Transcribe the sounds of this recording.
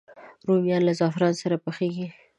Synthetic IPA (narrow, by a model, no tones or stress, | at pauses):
ɾomjɑnlazɑfɪɾɑnsaɾapəxeɡi